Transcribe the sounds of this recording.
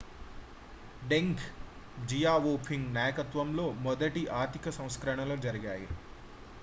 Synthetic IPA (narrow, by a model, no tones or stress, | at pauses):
ɖeŋkʰ | d͡ʒijaːʋoːpʰiŋɡnaːjɐkɐt̪ʋɐmlo̞ːmɔd̪ɐʈiʔaːɾt̪ikɐsɐ̃w̃skɾɐɳ̃ɐloːd͡ʒɐɾɐɡaːjḭ